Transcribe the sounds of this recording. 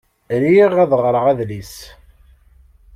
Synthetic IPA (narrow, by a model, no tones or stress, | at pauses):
ɾiʁæðəʁɾˤəʁæðlis